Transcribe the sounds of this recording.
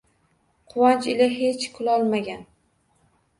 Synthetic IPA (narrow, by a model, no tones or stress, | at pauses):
qʰʊwant͡ʃɪlaɦet͡ʃkʰʊlˠɒlˠmaɡʲan